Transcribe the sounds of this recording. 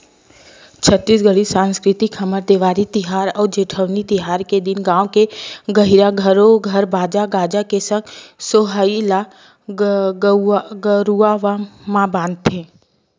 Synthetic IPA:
t͡ʃʰət̪ːiːs̬ɡəɽisãːnskɾɪt̪ixɐməɾd̪eːʋaːɾit̪ɪɦaːɾɔːɾd͡ʒeːʈʰəʋnit̪ɪɦaːɾked̪ɪnɡãːokeɡəɦiɾaɡʱəɾoɡʱɐɾbaːd͡ʒaɡaːd͡ʒakesə̃ŋɡsoɦaila | ɡɡəɾuaʋamãbãːnd̪̚t̪ʰẽː

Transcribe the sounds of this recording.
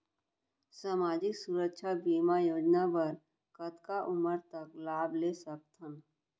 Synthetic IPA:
samaːd͡ʒɪksuɾəkʃʰabiːmajoːd͡ʒnapəɾ | kət̪kaʔʊməɾt̪əklaːbleːsək̚t̪ʰən

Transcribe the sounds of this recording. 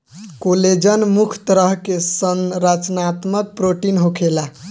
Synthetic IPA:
koled͡ʒənmukʰt̪əɾəɦkesənɾat͡ʃnat̪mək̪̚pɾoʈinɦokʰela

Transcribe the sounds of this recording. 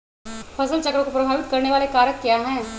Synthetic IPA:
pʰɐsəlt͡ʃɐkɾõkopɾɐbʱaːʋɪt̪̚kɐɾneʋaːlekaːɾjəkːjaːɦɛ̃ː

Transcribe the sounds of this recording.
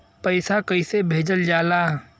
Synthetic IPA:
pəɪsakəɪsebʱeːd͡ʒəld͡ʒaːlaː

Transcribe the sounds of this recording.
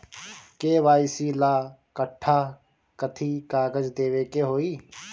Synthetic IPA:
keːʋaːisiːlaːkəʈʰːaː | kət̪ʰiːkaːɡəd͡ʒd̪eːʋeːkeːɦoːiː

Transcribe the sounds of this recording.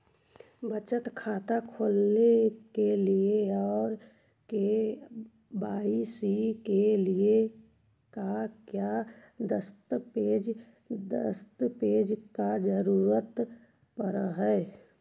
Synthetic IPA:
bət͡ʃət̪kʰaːt̪akʰoːlnekelieɔːɾ | ke | baːisikelie | kakjad̪əst̪peːd͡ʒ | d̪ə̰st̪peːd͡ʒkad͡ʒəɾuːɾət̪ | pəɾaɦɛː

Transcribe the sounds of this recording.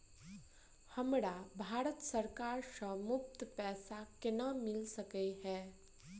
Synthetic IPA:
hɐmɾabʱaːɾət̪səɾkaːɾʃəmʊp̚t̪pɛːsakɪnəmɪlsəkeɦɛː

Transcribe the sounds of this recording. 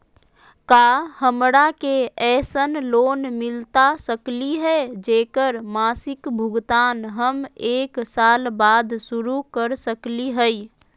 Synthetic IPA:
kaːhəmɽakeɛːsənloːnmɪlt̪asəkliɦɛd͡ʒeːkəɾmaːsɪkbʱʊɡt̪aːnɦəmeːksaːlbaːd̪sʊɾukəɾsəkliɦəi

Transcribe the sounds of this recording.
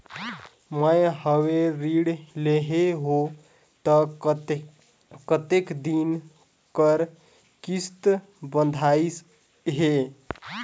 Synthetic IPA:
məjɦəweɾiɽleɦeɦo | t̪ə | kət̪ekd̪in | kəɾ | kist̪ | bənd̪ʱais | ɦe

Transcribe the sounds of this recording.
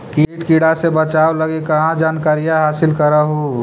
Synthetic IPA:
kiʈkiɽasebət͡ʃawləɡekəɦãd͡ʒaːnkaɾijaɦaːsɪlkəɾəɦo

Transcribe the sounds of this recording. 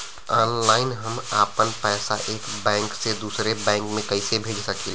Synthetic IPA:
ɔːnlaːɪnɦəmaːpənpɛːsa̰ʔeːkbɛ̃ːŋksed̪uːsɾebɛ̃ːŋkmẽkɐɪsebʱeːd͡ʒsɐkil

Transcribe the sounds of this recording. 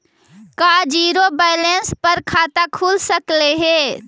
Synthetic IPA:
kad͡ʒiːɾobaɪlenspəɾkʰaːt̪akʰuːlsəkleɦe

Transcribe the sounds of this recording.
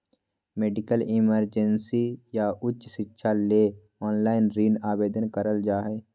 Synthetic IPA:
meːɖɪkəlɪməɾd͡ʒənsijaʔʊtːʃʃɪtːʃʰaleː | ɔːnlaːɪnɾiːnaːbeːd̪ənkəɾəld͡ʒaːɦeː

